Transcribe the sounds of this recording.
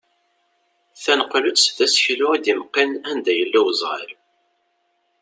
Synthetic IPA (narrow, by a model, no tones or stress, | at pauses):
θænəqlut͡sːθæsçlʊid̪imqːinænd̪æjəlːæwzˤʁə̰l